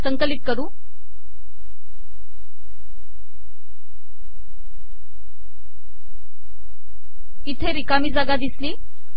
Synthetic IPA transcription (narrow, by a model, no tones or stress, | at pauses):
səŋkəlit̪̚kəɾuː | it̪ʰeɾikamiːd͡zaɡad̪isliː